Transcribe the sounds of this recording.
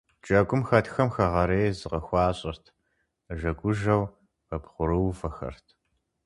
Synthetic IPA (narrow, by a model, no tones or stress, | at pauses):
t͡ʃʼɐɡʷʼʊmxɐtʰxɐmxɐʁɐɾeːzɨqɐxʷɑːɕʼɪrtʰ | ʒɐɡʷʼʊʒɐw | ɐbχʷʊɾɨwfɐxɐ̰rtʰ